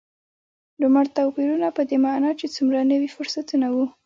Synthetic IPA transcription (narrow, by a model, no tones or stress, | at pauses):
lʊmaɽt̪apiɾunapəd̪emanɑt͡ʃet͡sumɾanəwifʊɾsat̪unawu